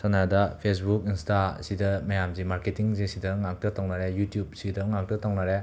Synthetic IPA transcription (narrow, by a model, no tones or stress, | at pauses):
sanadɐpʰes̬buk̚instasidɐmɐjamzimaɾketiŋzisidɐŋak̚tɐtoŋnaɾejutjub̚sidɐŋak̚tɐtawŋnaɾe